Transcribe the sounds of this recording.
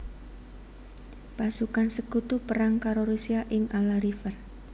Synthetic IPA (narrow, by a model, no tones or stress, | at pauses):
pasukansəkut̪upəɾaŋkaɾoɾusiaʔɪŋalaɾifər